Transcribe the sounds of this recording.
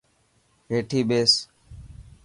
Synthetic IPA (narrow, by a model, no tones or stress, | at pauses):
ɦeːʈʰiːɓeːs